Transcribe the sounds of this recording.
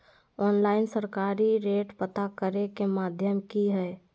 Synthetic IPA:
ɔːnlaːɪnsəɾkaːɾiɾeːʈpət̪akəɾekemaːd̪ʱjəmkiɦɛː

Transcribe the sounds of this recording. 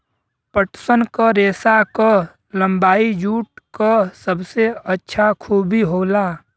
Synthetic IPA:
pəʈsənkaɾeːsakə | lə̃mbaːid͡ʒuːʈ̚kasəbseətːʃʰakʰuːbʱiɦoːlaː

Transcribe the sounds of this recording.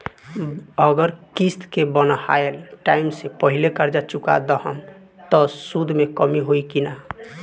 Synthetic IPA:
əɡəɾkist̪kebənha̰elʈaimsepəɦilekəɾd͡ʒat͡ʃuka̰d̪əɦəm | t̪ɔsud̪ʱmekəmiɦoikina

